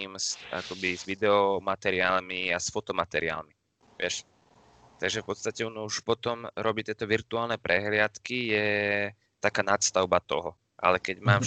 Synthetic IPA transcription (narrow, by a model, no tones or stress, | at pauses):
msa̰kɔbizʋid̪ɛɔmat̪ɛɾɪaːlmiasfɔt̪ɔmat̪ɛɾia̰ːlmi | ʋɪɛʃ | t̪aɡʒɛfpɔt̪st̪acɛɔnɔuʃpɔt̪ɔmɾʔɔbiːt̪ɪɛt̪ɔʋiɾt̪uaːlnɛpɾɛɦlɪat̪kijɛ | t̪akaːnat̪st̪aʊbat̪ɔɦɔ | ʔa̰lɛkɛɟmaːm